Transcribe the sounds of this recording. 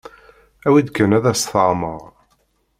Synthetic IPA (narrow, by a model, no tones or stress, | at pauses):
æwid̪ɡənæðæsθəʁməʁˤ